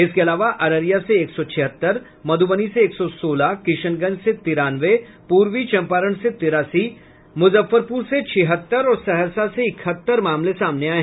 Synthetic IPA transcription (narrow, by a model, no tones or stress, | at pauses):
ɪskeɐlaːʋaʔɐɾəɾijaseːksɔt͡ʃʰɪɦət̪ːəɾ | mɐd̪ʱubəniseːksɔsoːlakɪʃənɡənd͡ʒset̪ɪɾaːnʋe | puːɾʋit͡ʃɐ̃mpaːɾəɳ̃set̪ɪɾaːsi | mʊzəfːəɾpuːɾset͡ʃʰɪɦət̪ːəɾɔːɾsɐɦəsaseɪkʰət̪ːəɾmaːmlesaːmneaːe